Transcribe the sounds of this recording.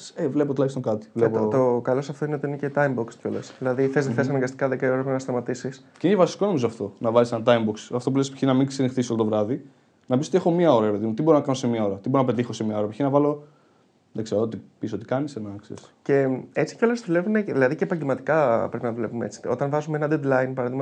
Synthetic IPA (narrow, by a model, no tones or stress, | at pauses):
sevle̞pot̪olɐkst̪oŋkɐt̪i̥vlepot̪okɐlosɐft̪o̞ineo̞t̪iinecet̪ɐjmboksceo̞lesðilɐðiθezðeθes̬ɐnɐŋɡɐst̪ikɐðekɐioɾɐɾepnɐst̪ɐmɐt̪isis | ceinecevɐsi̥ko̞no̞mizoɐft̪o̞nɐvɐlisenɐt̪̬ɐjmboksɐft̪o̞pulespi̥çinɐmiŋsenixθisolot̪ovɾɐði | nɐpisot̪exo̞miɐo̞ɾɐɾepe̞ðimut̪ibo̞ɾonɐkɐnosemɲɐo̞ɾɐt̪iboɾonɐpet̪ixo̞semɲɐo̞ɾɐpiçinɐvɐlo̞ | ðeɡseɾoot̪ipisoot̪ikɐnisenɐksḛɾce̞e̞t͡si̥ceo̞lezðule̞vuneðilɐðicepɐɲɟelmɐt̪i̥kɐpɾe̞pinɐðule̞pumeet͡si̥o̞̰t̪ɐnvɐzumeenɐd̪ed̪lɐjnpɐɾɐðimɐ